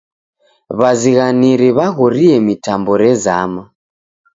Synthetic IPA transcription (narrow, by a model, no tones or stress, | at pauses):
βaziɣaniɾiβaɣɔɾiɛmitambɔɾɛza̰ma